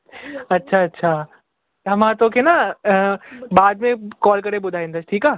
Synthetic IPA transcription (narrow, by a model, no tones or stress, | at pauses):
ɐtːɕʰaɐtːɕʰaː | t̪ɐmãt̪okʰena | baːd̪mẽkɔːlkɐɾebʊd̪ʱaːẽnd̪asʈʰiːkaː